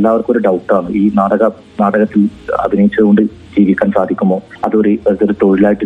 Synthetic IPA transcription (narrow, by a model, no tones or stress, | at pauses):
lːaːʋɐrko̞ɾuɖɐwʈːaːɳɨʔiːnaːɽɐɣɐ | naːɽɐɣɐt̪ːilɐ̰bʱinɐjit͡ɕːɐðɣo̞ɳɖɨ | d͡ʑiːʋikʲːaːnsaːd̪ʱikʲːumbo̞ː | ɐðoɾuðo̞ɾut̪oɻilaːjiʈːɨ